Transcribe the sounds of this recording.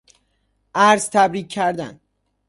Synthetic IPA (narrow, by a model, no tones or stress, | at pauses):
ʔæɾzt̪ʰæbɾiːk̚ʰːæɾd̪æ̰n